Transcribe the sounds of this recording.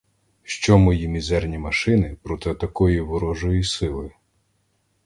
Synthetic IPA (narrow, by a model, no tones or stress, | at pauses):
ʃt͡ʃɔmɔjimʲizɛrnʲimɐʃɪnɪpɾɔt̪ɪɔt̪ɐkɔjiʋɔɾɔʒɔjisɪlˠɪ